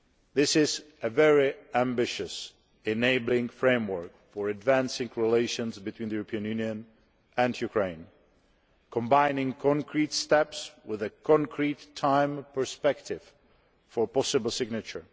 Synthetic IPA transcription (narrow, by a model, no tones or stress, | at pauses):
ðɪsɪzʔɨvɛɹiæ̃mbɪʃɨs | ɛneɪbl̩ˠɪ̃ŋfɹẽɪ̃mwə˞k | fəɹɨdvæ̃nsɪ̃ŋɹileɪʃə̃nzbɨtʰwĩnðəjuɹəpʰiə̃njʉnjɨ̃n | ɨ̃njukʰɹẽɪ̃n | kʰə̃mbãɪnɪ̃ŋkʰɔ̃ŋkʰɹitstɛpswɪðɨkʰɔ̃ŋkʰɹitʰːãɪ̃mpʰə˞spɛktʰɪv̥ | fəɹpɔsɨbl̩ˠsɪɡnɨt͡ʃə˞